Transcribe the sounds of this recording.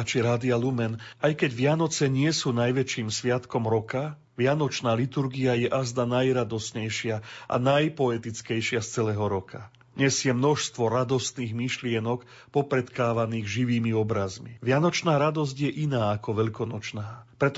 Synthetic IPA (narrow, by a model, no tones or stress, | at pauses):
t͡ʃiɾaːd̪ialumɛnajkɛɟʋɪanɔt͡sɛɲɪɛsuːnajʋɛt͡ʃiːmsʋɪat̪kɔmɾɔka | ʋɪanɔt͡ʃnaːlit̪uɾɡiajɛʔazd̪anajɾad̪ɔsɲɛjʃɪaʔa̰najpɔɛt̪it͡skɛjʃɪast͡sɛlɛːɦɔɾɔkʰa | ɲɛzjɛmnɔʃst̪ʋɔɾad̪ɔst̪niːɣmiʃlɪɛnɔk | pɔpɾɛt̪kaːʋaniːɣʒiʋiːmiɔbɾazmḭʋɪanɔt͡ʃnaːɾad̪ɔz̬ɟjɛʔinaːakɔʋɛʎkɔnɔt͡ʃnaːpɾɛt̪